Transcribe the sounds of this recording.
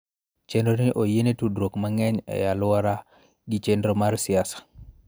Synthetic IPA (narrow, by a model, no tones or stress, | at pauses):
t͡ʃɛndoniʔojenetudɾokmaŋɛɲa̰jaluwaɾa | ɡit͡ʃɛndɾomaɾsijasḁ